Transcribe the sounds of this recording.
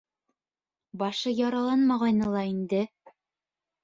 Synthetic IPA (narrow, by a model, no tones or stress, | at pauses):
bɑʃɤjɑɾɑlˠɑnmɑʁɑjnɤlˠɑind̪ɘ